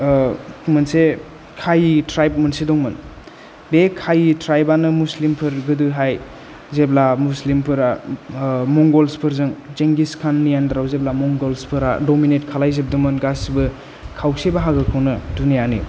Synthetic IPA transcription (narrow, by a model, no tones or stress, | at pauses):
mɐnse | kʰajitɾajp̚mɐnsedɔŋmɯn | bekʰajitɾajbanɯmuslimpʰɯɾɡɯdɯɦaj | zeplamuslimpʰɯɾa | mɔŋɡɔlspʰɯɾzɯŋt͡ʃeŋɡiskʰanːijandɾawzep̚lamɔŋɡɔlspʰɯɾa̰dominetkʰalajzep̚dɯmɯnɡasibɯ | kʰawsebaɦaɡɯkʰɯwnɯdunijanḭ